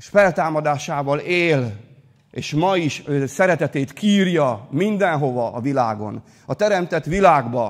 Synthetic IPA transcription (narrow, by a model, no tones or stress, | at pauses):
ʃfɛlt̪aːmɒd̪aːʃaːvɒleːl | ḛːʃmɒiʃøsɛɾɛt̪ɛt̪eːt̪kiːrjɒmind̪ɛnɦo̞vɒɒvilaːɡo̞̰n | ɒt̪ɛɾɛmt̪ɛt̪ʋilaːɡbɒ